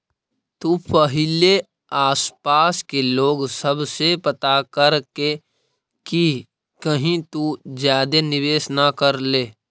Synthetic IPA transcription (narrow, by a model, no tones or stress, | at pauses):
t̪uːpəɦɪle | aːspaːskeloːɡsəbsepət̪akəɾke | ki | kəɦĩt̪ud͡ʒjaːd̪enɪʋeːsnakəɾleː